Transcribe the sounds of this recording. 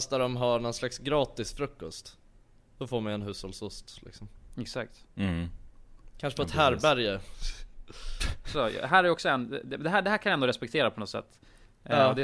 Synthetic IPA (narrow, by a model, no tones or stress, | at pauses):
st̪næɖɔmɦaɳɔnslaksɡɾɑːt̪ɪsfɾɵkːɔst̪ | d̥̪ɔfoːɾmanɛnɦʉ̟ːshɔlsʊst̪lɪ̰ksɔmɛksak̚t̪ | kʰanʂəpʰɔɛt̪hæɾbæɾjə | sɔ̰ɦæːɾæɾjɔksɔɛnd̪ɛd̪ɛɦæːɖ̪ɛɦæːkʰanjɛnd̪oːɾɛspɛkt̪ʰeːɾapʰɔnɔt̪sɛ̰t̪ː | d̪ɛ